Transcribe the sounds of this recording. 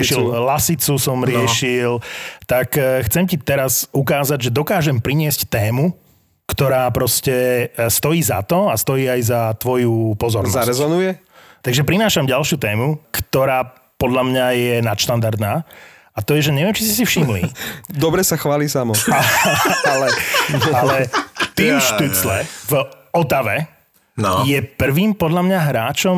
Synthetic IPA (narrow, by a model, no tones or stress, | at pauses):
ʃillasit͡susɔmɾɪɛʃilt̪akxt͡sɛmcit̪ɛɾazukaːzaɟʒɛd̪ɔkaːʒɛmpɾiɲɪɛsct̪ɛːmu | kt̪ɔɾaːpɾɔscɛst̪ɔjiːza̰t̪ɔast̪ɔjiːajzat̪ʋɔjupɔzɔɾnɔɾɛzɔnujɛ | t̪aɡʒɛpɾinaːʃamɟalʃɪuːt̪ɛːmukt̪ɔɾaː | pɔd̪ʎamɲajɛnat̪ʃt̪and̪aɾd̪naː | at̪ɔjɛʒɛɲɛʋɪɛmt͡ʃisisifʃimlḭd̪ɔbɾɛsaxʋaːliːsamɔ | alɛalɛkt̪iːmʃt̪ut͡slɛv | ɔt̪aʋɛ | jɛpr̩ʋiːmpɔd̪ʎamɲaɦɾaːt͡ʃɔm